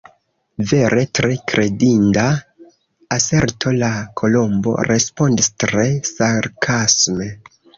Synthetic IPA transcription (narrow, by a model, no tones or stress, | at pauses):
ve̞ɾʔe̞tɾe̞kɾe̞dindaː | se̞ɾtʰo̞lakʰo̞lo̞mbo̞̰ɾe̞spo̞ndistɾe̞saɾkʰasme̞